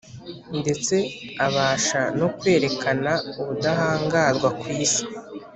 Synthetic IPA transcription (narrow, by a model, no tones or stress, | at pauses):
nde̞t͡se̞aβaːʃano̞kwe̞ːɾe̞kanauβudaɦaːŋɡazɡwakwiːsi̥